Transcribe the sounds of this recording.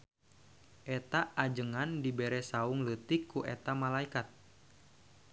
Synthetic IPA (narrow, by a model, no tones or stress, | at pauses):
ʔɛt̪aad͡ʒəŋandibɛɾɛsauŋlət̪ikːuʔɛt̪amalaikat̪̚